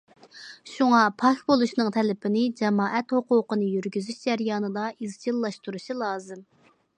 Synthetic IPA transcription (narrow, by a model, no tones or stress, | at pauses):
ʃuŋɑpʰɑkʲbolˠuʃnɨŋt̪ʰɛlɪpʰɪnɪd͡ʒɛmɑːʔɛt̪hoqʊːqənɨjyɾɡʲyzyʃd͡ʒæɾjɑːnɨd̪ɑʔizd͡ʒʰilˠːɑʃt̪uɾuʃilˠɑːzɨm